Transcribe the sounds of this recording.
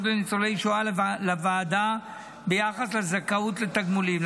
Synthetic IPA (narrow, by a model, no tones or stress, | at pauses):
d̪benit͡solejʃoalavaːd̪a | bejaχaslezakaut̪let̪aɡmulim